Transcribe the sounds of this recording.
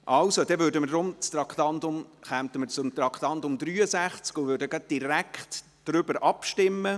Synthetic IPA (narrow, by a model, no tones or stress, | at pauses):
ʔɑlsod̥̪ɛvøːɾdəmədɾʊmt͡st̪ɾɑkχt̪ɑnt̪ʊmχæmt̪əməɾt͡sʊmt̪ɾɑkχt̪ɑnt̪ʊmd̪ɾyːəsæχt͡skʊvøːɾdəɡɑd̪̚d̥iɾækχt | d̥ɾʏbəɾʔɑpʃtɪmːə